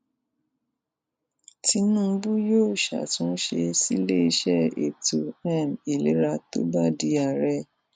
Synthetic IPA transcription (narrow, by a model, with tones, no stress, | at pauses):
ti˧nũ˦bu˦joː˦˨ʃa̰˨tũ˨˦ʃe˧si˦le˦i˦ʃɛ˦ḛ˨tu˨ɛ˦˨mi˨lḛ˨˦ɾa˧to˦ba˦˨di˧˦a˦˨ɾɛ˦